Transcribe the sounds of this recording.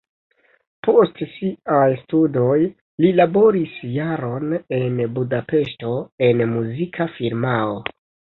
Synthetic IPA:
po̞stsiajstudo̞j | lilabo̞ɾisjaɾo̞ne̞nbudape̞ʃto̞e̞nmuzikʰafiɾmao

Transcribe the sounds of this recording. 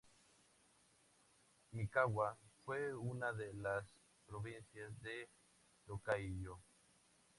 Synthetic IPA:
mikawafweunaðelas | pɾoβinsjazd̪e | lokaiʎo

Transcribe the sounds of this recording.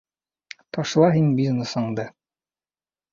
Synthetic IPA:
t̪ɒʃlˠɑɦinbʲizneshɤ̆ɴd̪ɤ

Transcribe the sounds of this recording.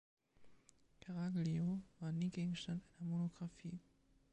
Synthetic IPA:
kʰaʁaɡlioʋɑniːɡ̥eːɡ̥ŋ̩sd̥and̥ænɐmonoɡ̥ʁɑfḭː

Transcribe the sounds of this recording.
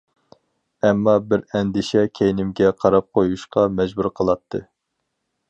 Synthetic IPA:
ɛmːɑbɪɾɛnd̪ɪʃɛkʲʰejinɪmɡʲɛqʰɑɾɑp̚qʰojuʃqɑmɛd͡ʒbuɾqʰəlˠɑt̪ʰːɨ

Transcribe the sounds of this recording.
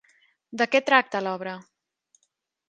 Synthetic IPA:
d̪əkɛt̪ɾak̚t̪əlɔβ̞ɾə

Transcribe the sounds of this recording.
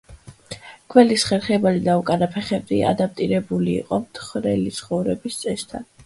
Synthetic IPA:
kʰvɛlisχɛɾχɛbalid̪aukʼanapʰɛχɛbd̪ia̰d̪ap̚t̪ʼiɾɛbulḭːqʼɔmt̪ʰχɾɛlit̪sʰχɔvɾɛbist̪sʼɛst̪ʰa̰n

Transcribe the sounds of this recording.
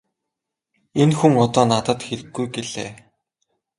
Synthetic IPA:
enxuŋɔt̪ɔːnat̪ə̆t̪xeɾɘ̆ɡːujɡeɮḛː

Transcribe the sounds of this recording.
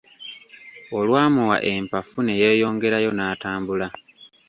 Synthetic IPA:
o̞lwaːmuwa̰ʔe̞mpafune̞je̞ːjo̞ːŋɡe̞ɾajo̞naːtaːmbula

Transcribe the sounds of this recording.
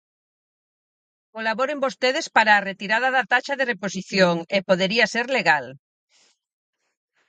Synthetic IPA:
kolaβoɾembost̪eð̞espaɾaːret̪iɾað̞aðat̪aʃaðereposiθjoŋepoð̞eɾiaseɾleɣal

